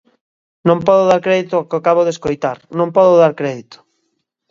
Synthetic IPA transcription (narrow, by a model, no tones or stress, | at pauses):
nõmpɔðoðaɾkɾɛðit̪okɪakaβoðeskojt̪aɾnõmpɔðoðaɾkɾɛðit̪o̥